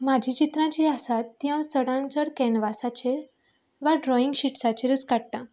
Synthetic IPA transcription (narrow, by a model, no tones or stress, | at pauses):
mad͡ʑʱit͡ɕit̪ɾãt͡ɕiasat̪ːjãwst͡səɽãnt͡səɽkɛnʋasat͡ɕeɾ | ʋaɖɾɔiŋɡɕiʈsat͡ɕeɾət͡skaɽ̚t̪ã